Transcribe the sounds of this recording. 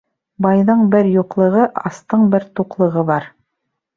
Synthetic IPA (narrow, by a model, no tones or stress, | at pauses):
bɑjðɤɴbɘɾjuqlˠɤ̆ʁɤʔɑ̰st̪ɤɴbɘɾt̪uqlˠɤ̆ʁɤβɑɾ